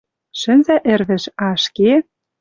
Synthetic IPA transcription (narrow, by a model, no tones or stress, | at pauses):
ʃɘ̆nzæʔɘ̆rβɘ̆ʃɑʃke